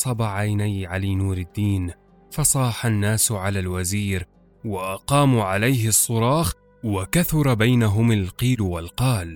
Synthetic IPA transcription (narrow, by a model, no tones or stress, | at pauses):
sˤɑbaʕajnajʕaliːnuːɾɪd̪ːiːn | fɑsˤɑːħanːaːsʕalaːlwaziːɾ | waʔɑqɑːmuːʕalajɦɪsˤːʊɾˤɑːx | wakaθʊɾˤɑbajnaɦʊmalqiːlwalqɑːl